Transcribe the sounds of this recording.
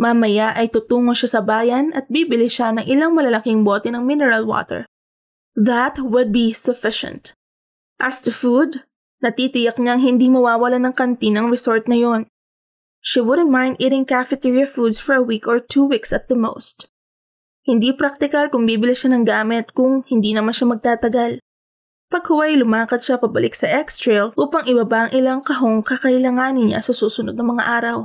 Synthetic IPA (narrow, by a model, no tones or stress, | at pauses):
mɐmɐjaʔɐjt̪ut̪uːŋoʃasɐbaːjɐnʔɐt̪̚biːbɪlɪʃanɐŋʔɪlaŋmɐlɐlɐkɪŋboːt̪ɛnɐŋmɪnɛɹɐlwo̰t̪ɛ̰ɹ | ðɐt̪wʊd̪̚bisʊfɪʃɛ̰̃nt̪ | ʔɐst̪ʊfud̪ | nɐt̪it̪ɪjɐk̚ɲaɐŋɦɪnd̪imɐwaːwɐlanɐŋkɐnt̪inɐŋɹɛsoɹt̪̚nɐjo̞n | ʃiwʊd̪ɾɪmajnd̪ɪɾɪŋkafɛt̪iɹiɐfud̪sfɔɹɐwikɔɹt̪ʰuwiksɐt̪̚d̪ɐmo̰wst̪ | hɪnd̪ipɾak̚t̪ɪkɐlkʊŋbiːbɪlɪʃanɐŋɡaːmɪt̪̚kʊŋhɪnd̪iːnɐmanʃamɐɡ̚t̪aːt̪ɐɡal | pɐɡ̚hʊwajlʊmaːkɐt̪̚ʃapɐbɐlɪksɐʔɛkst̪ɹɛlʔuːpɐŋʔɪbɐbaʔɐŋʔɪlaŋkɐɦo̞ŋkɐkɐʔɪlaŋaːnɪnɲa̰sɐsuːsʊnod̪nɐŋmɐŋa̰ʔaːɾɐw